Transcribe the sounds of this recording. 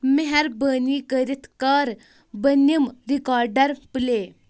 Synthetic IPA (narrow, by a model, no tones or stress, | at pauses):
meɦaɾbənikəɾit̪ʰkəɾ | bənəmɾikɔɾɖəɾple